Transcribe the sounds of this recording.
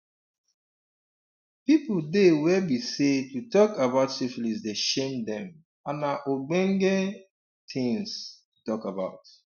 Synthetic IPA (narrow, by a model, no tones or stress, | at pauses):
pipdewɛbisetutɔkabaʊtsiflis̬deʃemdɛ̃m | anaʔoɡ͡bɛ̃ŋɡɛ | tʰɪ̃ŋs | utɔkabaʊt